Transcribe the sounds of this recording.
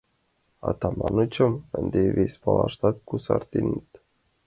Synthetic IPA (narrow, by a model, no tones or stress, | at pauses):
a̰t̪amanut͡ɕəmənd̪evispalaʃt̪at̪kusa̰ɾt̪init̪